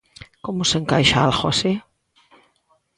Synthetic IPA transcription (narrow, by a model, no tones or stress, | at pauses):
komoseŋkajʃaalxose